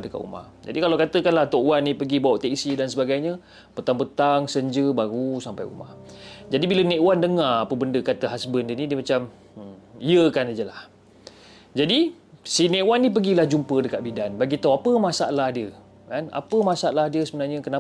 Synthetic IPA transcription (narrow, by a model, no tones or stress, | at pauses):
dəka̰ʔṵma̰hd͡ʒa̰dikalawkat̪əkanlaht̪oʔwanːĩpəɡibawaʔt̪ɛksidansəbaɡajɲə | pət̪aŋpət̪aŋsəɲd͡ʒəbaɾusampajṵma̰hd͡ʒadibiləneʔwandəŋarapəbəndəkat̪əɦasbəndiənidiəmat͡ʃam̩ | ijəkanad͡ʒəlah | d͡ʒadi | sineʔwanːip̬əɡilahd͡ʒumpədəkaʔ̪̚bidanbaɡit̪awapəmasalahdiə | kana̰pəmasaʔlahdiəsəbənarɲəkəna